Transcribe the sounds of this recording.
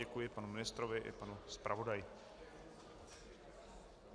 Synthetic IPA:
ɛkujɪpanumɪnɪst̪ɾovɪʔɪ̰panuspɾʔavo̞dajɪ

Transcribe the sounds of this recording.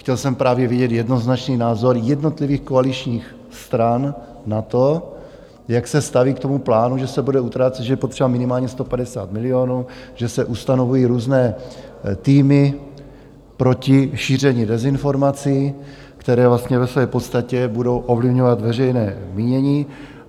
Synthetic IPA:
xcɛlsɛmpɾaːvjɛvɪɟɛt̪jɛdno̞znat͡ʃniːnaːzo̞ɾjɛdno̞t̪lɪviːxkoalit͡ʃɲiːx | st̪ɾanː | at̪o̞ | jaksɛst̪aviːkt̪o̞muplaːnuʒɛsɛbudɛut̪ɾaːt͡sɛt̪ʒɛjɛpot̪r̥ɛbamɪnɪmaːlɲɛst̪o̞padɛsa̰ːt̪mɪlɪo̞nuːʒ̥ɛsɛʔust̪ano̞vujiːɾuːznɛː | t̪iːmɪ | pɾo̞cɪʃiːr̝ɛɲɪdɛzɪnfo̞ɾmat͡si | kt̪ɛɾɛːvlast̪ɲɛvɛsvɛːpo̞t̪st̪acɛbudo̞wʔo̞vlɪvɲo̞vat̪vɛrɛjnɛːmiːɲɛɲiː

